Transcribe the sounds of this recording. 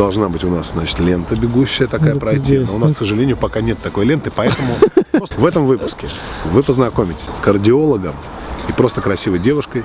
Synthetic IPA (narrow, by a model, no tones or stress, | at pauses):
d̪ɐlˠʐnabɨtʲʊnasznat͡ɕɪ̥t̪lʲe̞nt̪əbʲɪɡuɕːɪjət̪ɐkajəpɾɐjt̪ʲinoʊnasksəʐɨlʲenʲɪjʊpɐkanʲet̪ːɐko̞jlʲe̞nt̪ɨpɐɛt̪əmʊvɛt̪əmvɨpʊskʲɪ | vɨpəznɐko̞mʲɪtʲɪ̥sʲkərdʲɪo̞lˠəɡəm | ipɾo̞st̪əkɾɐsʲivəjdʲe̞vʊʂkəj